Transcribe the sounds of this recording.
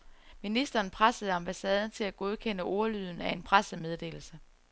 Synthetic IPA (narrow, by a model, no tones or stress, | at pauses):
minisd̥ɐːnpʰʁasəð̩ˠɑ̈mb̥æsɛːð̞ˠn̩t͡sʰe̝læɡ̥o̝ðˠkʰen̰əʔɔɐlyð̰ˠn̩æe̝npʰʁasəmeð̞ˠd̥e̝̰ːl̩sə